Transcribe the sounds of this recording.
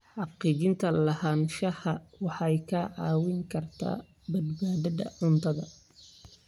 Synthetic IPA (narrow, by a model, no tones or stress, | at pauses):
ħɑqiːt͡ʃɪnt̪ʰɐlɐhaːnʃɐhɐwɑħɑjkʰaʕɑːwɪŋkʰɐrt̪ʰa̰ː | bɐd̪baːðɐðɐʕʊnt̪ʰɐðɐ